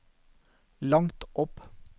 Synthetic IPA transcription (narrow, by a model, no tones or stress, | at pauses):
lɑŋt̪ʔɔp